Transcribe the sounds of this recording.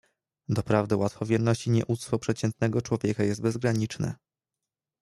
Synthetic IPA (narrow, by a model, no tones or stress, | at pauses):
d̪ɔpɾavd̪ɛwat̪fɔvʲjɛɾnɔɕt͡ɕiɲɛʔut̪st̪fɔpʂɛt͡ɕɛnt̪nɛɡɔt͡ʂwɔvʲjɛkajɛst̪̚bɛzɡɾaɲit͡ʂnɛ̰